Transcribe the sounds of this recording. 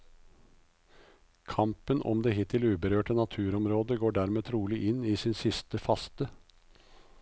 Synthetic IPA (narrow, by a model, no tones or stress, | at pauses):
kʰɑmpənʔɔ̰md̪eːhɪt̪ɪlʉːbəɾøːʈənɑt̪ʰʉːɾɔmɾoːd̪əɡoːɖæːɾmeːt̪ʰɾuːlɪʔɪniːsɪːnsɪst̪əfɑst̪ə